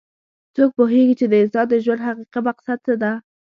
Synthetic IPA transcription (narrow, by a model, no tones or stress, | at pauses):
t͡sok̚poɦeɡit͡ʃed̪əɪsɑd̪ːəʒwand̪ɦaqiqibaqsat̪̚t͡səd̪a